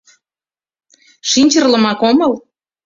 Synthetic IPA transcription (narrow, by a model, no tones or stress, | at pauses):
ʃinʲt͡ɕərlə̆mɑkoməl